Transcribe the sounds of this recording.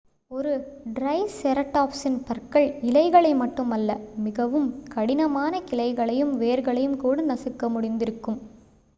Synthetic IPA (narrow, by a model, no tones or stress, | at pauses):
ɔɾɯɖɾɐɪsɛɾɐʈːaːpsɪnpɐɾkɐɭɪlɐɪɣɐɭɐɪmɐʈːɯmɐlːɐmɪɣɐʋɯmkɐɽɪnɐmaːnɐkɪlɐɪɣɐɭɐjɯmʋeːɾɣɐɭɐjɯmkuːɽɐnɐsɯkːɐmʊɽɪnd̪ɪɾɯkːɯm